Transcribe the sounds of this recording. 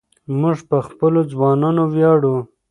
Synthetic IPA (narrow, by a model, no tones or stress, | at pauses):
mʊʐpəxpəlod͡zwɑnɑnowjɑɽu